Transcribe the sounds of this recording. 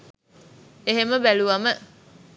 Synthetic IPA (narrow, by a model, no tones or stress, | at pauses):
eɦeməbæluʋamə